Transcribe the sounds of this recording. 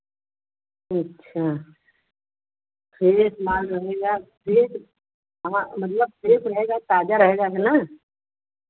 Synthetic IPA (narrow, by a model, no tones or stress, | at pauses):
ɐtːʃʰaː | kʰeːsmaːlɾɐɦeːɡakʰeːs | ɦmamɐt̪̬ləb̚kʰeːsɾɐɦeːɡat̪aːd͡ʒaɾɐɦeːɡaɦɛnaː